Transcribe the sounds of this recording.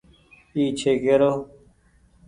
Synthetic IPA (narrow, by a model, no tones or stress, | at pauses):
iːt͡ɕʰeɡeɾoː